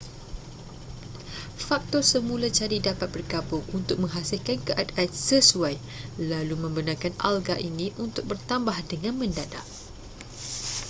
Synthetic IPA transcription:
fak̚t̪ɔrsəmũlat͡ʃaɾidapat̪̚b̥ərɡabʊŋunt̪ʊk̚mə̃ŋɦasilkankəʔat̪at̪̚səsuaj | lalumə̃mbənãkana̰lɡaʔinĩʔunt̪ʊk̚bərt̪ambahdəŋãnmə̃ndada̰ʔ

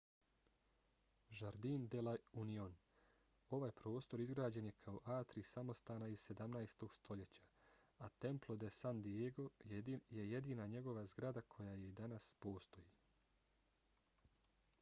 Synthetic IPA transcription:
ʒaɾd̪ind̪elaunion | o̞ʋaːjpɾo̞ːst̪o̞ɾizɡɾaːd͡ʑe̞nje̞kʰao̞ʔaːt̪ɾisamo̞st̪aːnaiz̥se̞d̪amnajst̪o̞ɡ̥st̪ʰo̞ʎe̞t͡ɕḁ | at̪e̞mplˠo̞d̪esand̪ieɡo̞je̞je̞d̪iːnaɲe̞ɡo̞ʋazɡɾad̪akʰo̞jaːje̞id̪anaspo̞ːst̪o̞ji

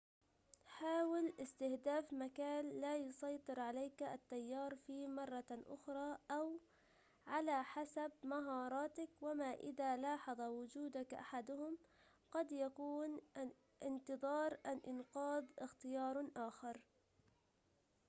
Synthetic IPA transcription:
ħaːwɪlʔɪst̪ɪhd̪aːfmakaːnːaːjʊsˤɑjt̪ˤɨɾʕalajkʔa̰t̪ːajːɑːɾˤfimɑrˤːɑʔʊ̰xɾˤɑːʔaw | ʕalaːħasabmaɦɑːɾˤɑːt̪akwamaʔɪ̰ðaːlɑːħɑðˤɑwʊd͡ʒuːd̪akʔa̰ħad̪ʊhʊm | qɑd̪jakuːn | ʔɪnt̪ɨðˤɑːɾˤʔanʔɪnqɑːðˤʔɪxt̪ɪjɑːɾˤʔaːxɑɾˤ

